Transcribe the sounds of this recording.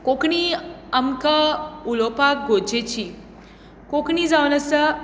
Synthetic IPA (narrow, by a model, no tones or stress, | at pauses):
kokɳiɐmkəulopak̚ɡod͡ʒet͡ɕʰi | kokɳid͡zawnɐsɐ